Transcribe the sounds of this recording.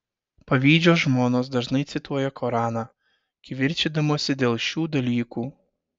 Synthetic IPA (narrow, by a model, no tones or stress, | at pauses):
pɐʋʲiːd͡ʒʲoːs̬ʒmoːnoːsd̪ɐʒnɐɪt̪sʲɪt̪uɔjɛkoɾɑːnɑ | kʲɪʋʲɪɾʲt͡ʃʲɪd̪ɐmoːsʲɪd̪ʲeːlˠʃʲuːd̪ɐlʲiːkuː